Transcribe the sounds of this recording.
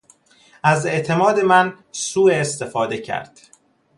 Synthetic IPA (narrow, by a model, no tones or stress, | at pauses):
æze̞ʔt̪ʰe̞mɒːd̪e̞mæn | suːeːst̪e̞fɒːd̪e̞cʰæ̰ɾd̪̥